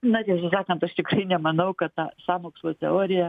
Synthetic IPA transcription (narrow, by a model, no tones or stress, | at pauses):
nʊt̪ʲɪsʊs̬ɑːkɐnt̪ɐʃt̪ʲɪkrɐɪnʲɛmɐnɐʊkɐt̪t̪ɑːsɑːmoːkslˠoːt̪ʲɛ̰oːɾʲɪjɛ